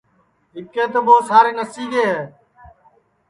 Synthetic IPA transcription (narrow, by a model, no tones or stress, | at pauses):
ɦɪkẽːt̪oːboːsaːɾeːnəsiːɡeːɦeː